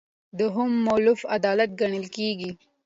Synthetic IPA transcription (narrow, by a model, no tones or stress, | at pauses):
d̪əɦʊmːolʊfad̪ɑlat̪̚ɡaɳəlkeɡi